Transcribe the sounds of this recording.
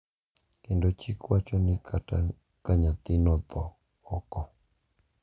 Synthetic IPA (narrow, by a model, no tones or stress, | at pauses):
kendot͡ʃikwat͡ʃɔnɪ̃kʰata̰ | kaɲãt̪ɪnɔ̃t̪ɔː | kɔ